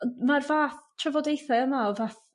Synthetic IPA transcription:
marvaːθtʰrɛvɔdejθaəmaɔvaːθ

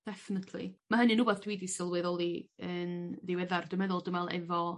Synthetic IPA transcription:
d̥ɛfɪnətʰlḭmaɦənɨnuːbaθd̥wiːdisɪlˠwɪðɔlˠiənðɪwɛðardʊmɛðʊlˠdəmɛlˠɛ̰vɔ

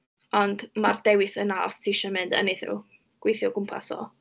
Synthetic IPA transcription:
ɔndmardɛwɪsənarstʰiʃɔmɪndə̰niθɪ̰w | ɡ̥wejθjɔɡʊmpʰa̰sɔ̰ː

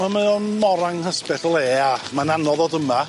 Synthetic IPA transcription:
ameɔnmɔɾaŋhəspɛθɔlˠeːamananɔðɔdəma

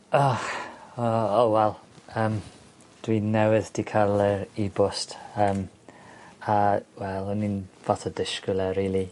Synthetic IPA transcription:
ɔxɔowɛlˠəːm | d̥winːɛwɪðd̥ʰikʰalˠɛɾibʊstəm | awɛlˠʊninvɔtʰɔdɪʃkɪlˠɛɾiːlˠi

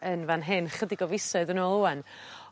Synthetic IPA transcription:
ənvanɦɪnχədɪɡɔvɪsɔðənɔlˠuan

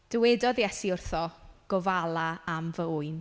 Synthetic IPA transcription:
d̥əwɛdɔðjɛsiʊrθɔɡ̥ɔvalˠaamvəuɨn

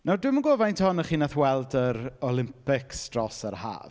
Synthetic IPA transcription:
nawdwɪməɡovajntʰɔnəχiːnaθwɛlˠdəɾɔlˠɪmpʰɪksd̥rɔsərha̰ːv

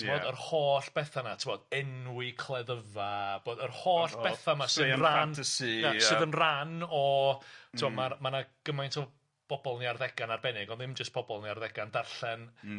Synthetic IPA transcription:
tʰmɔdərhoːɬb̥ɛθanatʰɪmɔdɛnwɪkʰlˠɛðəvab̥oːdərhoːɬbɛθamasɨːðransijasɨːðənranɔtʰɪmɔmamanaɡ̥əmajntʰɪɔ | b̥ɔbɔlˠniarðɛɡ̥anarbɛnɪɡɔnðɪmd͡ʒəstb̥ɔbɔlˠniarðɛɡandarɬɛn

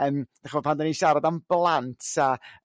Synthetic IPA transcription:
əːmd̥aχɔ̥pʰandaniʃaɾadamblˠantʰa

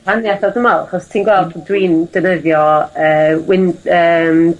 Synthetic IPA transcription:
anjaθɔdəmalˠaχɔstʰiːnɡwɛlˠddwiːnd̥ənəðjɔəːwɪnəːm

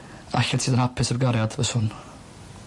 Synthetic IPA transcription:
açɛltsʰiːd̪anhapʰɪsəbɡaɾjad̪̥vəsʊn

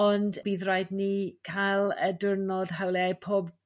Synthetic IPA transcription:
ɔndb̥iːðrajdnikʰalˠədʊrnɔð̥ɦawlˠɛajpʰoːb

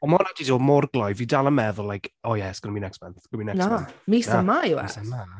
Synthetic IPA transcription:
ɔmɔnadiɔmɔrɡlˠɔjvidalˠəmɛðʊlajkʰɔjɛsɡ̥ɔnəminɛksbɛnθɡ̥əminɛnamisamajuɛ̰sama

